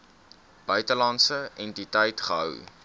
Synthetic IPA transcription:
b̥œɥtəlɐnsəɛntitəjtχəɦœ̰w

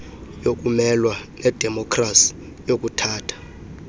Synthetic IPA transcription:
jok̬ʼumɛlwanɛd̥ʱɛmɔkʰʼrasi̥ | jok̬ʼutʰaːtʰḁ

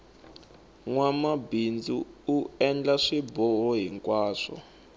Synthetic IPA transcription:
ŋwamabind͡zuuɛnd͡ɮaʂibɔɦɔɦiŋkʼwaːʂɔ̰

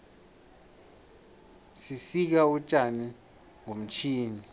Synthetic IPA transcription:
sisik̬aut͡ʃʼani | ŋom̩t͡ʃʰiːni

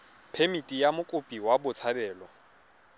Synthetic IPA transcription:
pʰemitʼijamʊkʼʊpʼiwabʊt͡sʰabɛːlɔ

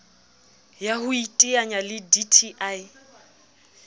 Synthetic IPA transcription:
jaɦʊitʼiaɲalɪditʰiʔaj

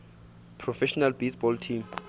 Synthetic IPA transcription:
pʰrɔfɛʃɔnalbesbɔltʰim

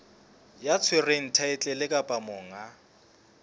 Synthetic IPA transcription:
jat͡sʰwɪren̩tʰaɪt͡ɬʼɛlɪkʼapʼamʊːŋa

